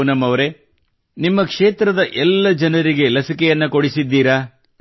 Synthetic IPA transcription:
nɐmɐʋɐɾe̞ | nimːɐkʂeːt̪ɾɐd̪ɐʔɛlːɐd͡ʒɐnɐɾiɡe̞lɐsikɛjɐnːukoɽisid̪ːiːɾaː

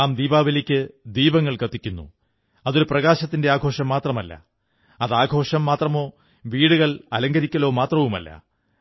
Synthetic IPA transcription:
aːmd̪iːbaːʋɐlikʲːɨd̪iːbɐŋːɐɭkɐt̪ːikʲːunːṵ | ɐðoɾuprɐɣaːɕɐt̪ːinde̞aːɡʱo̞ːʂɐmːaːt̪rɐmɐlːɐ̰ | ɐðaːɡʱo̞ːʂɐmːaːt̪rɐmo̞ː | ʋiːɽuɣɐɭɐlɐŋɡɐɾikʲːɐlo̞ːmaːt̪rɐʋumɐ̰lːɐ̰

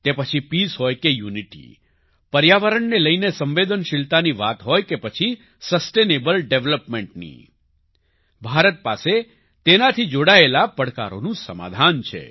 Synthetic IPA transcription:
t̪epət͡ʃʰipisɦojkejuniʈḭ | pəɾjaʋəɾəɳneləjnesə̃mʋed̪ənʃɪlt̪aniʋa̰t̪ɦojkepət͡ʃʰi | səsʈenebəlɖeʋləpmẽɳʈ̚nḭ | bʱaɾət̪̚pase | t̪enat̪ʰid͡ʒoɽaelapəɽka̰ɾo̰nũsəma̰d̪ʱant͡ʃʰḛ

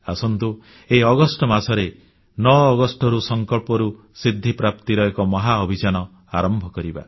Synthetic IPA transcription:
asɔnt̪u | eɔɡɔsʈɔmasɔɾe | nɔːɡɔsʈɔɾusɔŋkɔɭpɔɾu | sɾid̪ʱːipɾapt̪iɾɔekɔmɔɦaɔbʱid͡ʒanɔ | aɾɔmbʱɔkɔɾiba̰

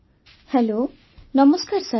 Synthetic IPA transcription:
hɛlo | nʌməskaɾsa

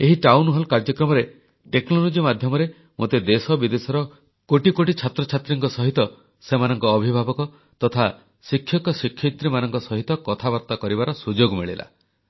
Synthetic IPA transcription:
eɦiʈawnɦɔlkaɾd͡ʒɔkɾɔmɔɾe | ʈeknɔlod͡ʒimad̪ʱjɔmɔɾe | mot̪ed̪esɔbid̪esɔɾɔ | koʈikoʈit͡ʃʰat̪ɾɔt͡ʃʰat̪ɾiŋkɔsɔɦit̪ɔ | semanɔŋkɔːbʱibʱabɔkɔ | t̪ɔt̪ʰa | sikʰːjɔkɔsikʰːjit̪ɾimanɔŋkɔsɔɦit̪ɔkɔt̪ʰabɔɾt̪akɔɾibaɾɔsud͡ʒoɡmiɭilʔa̰

